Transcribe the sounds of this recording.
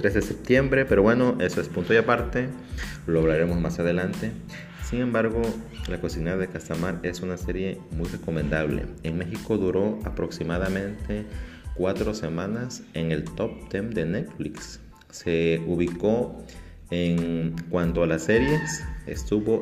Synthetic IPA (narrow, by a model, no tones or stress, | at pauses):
t̪ɾezðesep̚t̪jembɾe̞peɾo̞βweno̞ʔesoespunt̪ojapaɾt̪e | loaβlaɾemo̞zmasað̞e̞lant̪e̞ | siŋẽ̞mbaɾɣo̞lakosinaðekast̪amaɾe̞sunaseɾje̞mujre̞ko̞mẽnd̪aβ̞lḛeŋme̞xiko̞ðuɾo̞apɾo̞ksimaðamẽnt̪e̞kwat̪ɾo̞se̞mãnaseŋe̞lt̪op̚t̪emd̪e̞net̪fliksː | euβiko | eŋkwant̪oalaseɾjesḛst̪uβo̞